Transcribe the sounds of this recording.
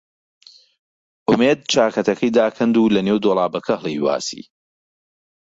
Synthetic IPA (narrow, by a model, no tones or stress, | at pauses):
ʔʊmeːd̪̚t͡ʃaːkɐt̪ɐkʰɐjd̪aːkʰɐnd̪uːlɐneːwd̪oːlˠaːbɐkʰɐhlˠijwa̰ːsḭː